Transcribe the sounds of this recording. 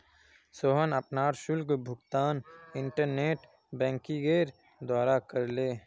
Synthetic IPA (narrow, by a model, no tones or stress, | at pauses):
soːɦənəpnaːɾʃʊlkbʱʊɡt̪aːnɪ̃ɳʈəɾneːʈ | bɛ̃ːŋkiɡeːɾ | d̪waːɾakəɾleː